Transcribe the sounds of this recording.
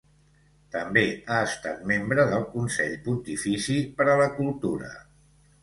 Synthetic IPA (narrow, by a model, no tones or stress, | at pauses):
t̪əmbeaəst̪a̰t̪membɾəðəlˠkunsɛʎpunt̪ifisipəɾələkulˠt̪uɾə̰